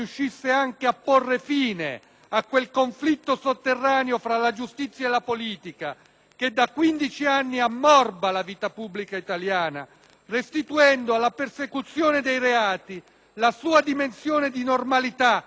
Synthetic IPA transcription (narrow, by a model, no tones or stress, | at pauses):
uʃːisːeaŋkeapːorːefiːnḛ | akwelkoɱflit̪ːosot̪ːerːaːneofɾalad͡ʒust̪it̪sːjaelːapoliːt̪ika | k̟ed̪ːakwind̪it͡ʃianːiamːɔrbalaviːt̪apubːlikait̪aljaːna̰ | rest̪it̪uɛnd̪oalːapersekut̪sːjoːned̪ejɾeaːt̪i | lasuːad̪imensjoːned̪inormalit̪a